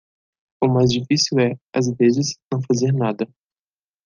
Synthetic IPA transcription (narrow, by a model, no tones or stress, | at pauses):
ʊmajzd͡ʒifisiwɛazvezɪsnɐ̃w̃fazeɾnad̪ɐ